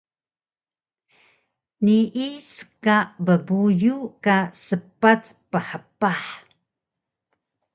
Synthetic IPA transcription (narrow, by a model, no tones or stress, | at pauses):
niʔisə̥kaʔbəbujukasəpatpəħəpaħ